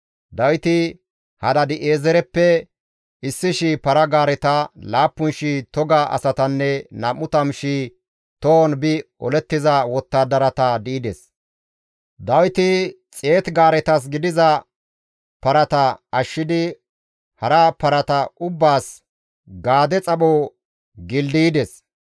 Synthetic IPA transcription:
d̪ɐwt̪ɪ | hɐd̪ɐd̪ɪʔeːzɛɾɛpːɛ | ɪsːɪʃipɐɾɐɡaːɾɛt̪ɐlaːpːʊnʃit̪ɔɡaʔɐ̰sɐt̪ɐnːɛnɐmːʊt̪ɐmʃi | t̪onbɪ | ɔ̰lɛt̪ːɪzɐwɔt̪ːaːd̪ɐɾɐt̪ɐd̪ɪʔɪd̪ɛs | d̪ɐwt̪ɪt͡sʼe̞ːt̪ɡaːɾɛt̪ɐs̬ɡɪd̪ɪzɐ | pɐɾɐt̪ɐɐʃːɪd̪ɪ | hɐɾɐpɐɾɐt̪ɐʔʊbːaːs | ɡaːd̪ɛt͡sʼɐɓoː | ɡɪld̪iːd̪ɛs

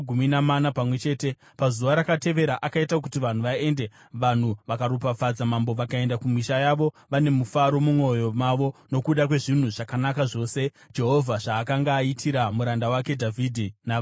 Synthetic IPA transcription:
ɡʱuminamanapamwe̞t͡ʃe̞ːte̞ | pazuʋaɾakate̞ʋe̞ɾaʔakaitak̬utiʋan̤uʋae̞nde̞ | ʋan̤uʋakaɾupafad͡zamambo̞ʋakae̞ndakumiʃajaʋo̞ | ʋane̞mufaɾo̞mumo̞jo̞maʋo̞no̞kuɗakwe̞ʐin̤uʐakanakaʐo̞ːse̞ | d͡ʒe̞ɦo̞vʱaʐaːkaŋɡaːitʰiɾamuɾandawake̞dʱavʱidʱina

